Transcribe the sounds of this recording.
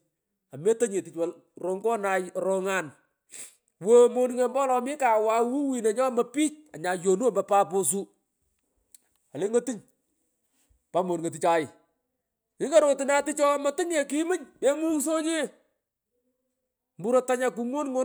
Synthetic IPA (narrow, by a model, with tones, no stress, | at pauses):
a˨me˦to˦ɲe˨ti˨t͡ʃwa˨l | ro˨˦ŋɡɔ˦na˧jɾɔ˦ŋa˨n | wo˦mo˦n˦ŋe˨mbɔ˦lɔ˨mɪ˦ka˨wa˦wu˦wi˨ne˨ɲɔ˦mɐ˨piː˦t͡ʃ̚a˨ɲa˨jo˨nu˦a˨mbɐ˨pa˦po˨s̬u˦ | a˨le˦ŋo˦ti˦ɲ | pa˦mo˨nŋe˨t̬i˨t͡ʃa˨ɪ˨ | ɪ˦ŋa˦ɾo˨tɪ˨na˦ti˦t͡ʃɔ˦mɐ˦tɪ˦ŋe˨ki˦mɨ˦ɲme˦mu˦so˦ɲe˦ | mbu˦ɾɔ˦ta˦ɲa˨k̬u˨˦ŋwo˦nŋo˦